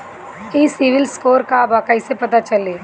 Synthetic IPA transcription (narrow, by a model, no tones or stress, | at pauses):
iːsiʋɪlskoːɾkabakɐɪsepɐt̪at͡ʃɐleː